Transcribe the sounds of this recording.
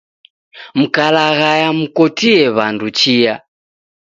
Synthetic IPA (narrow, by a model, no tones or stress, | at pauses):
m̩kalaɣajamukɔtiɛβandut͡ʃia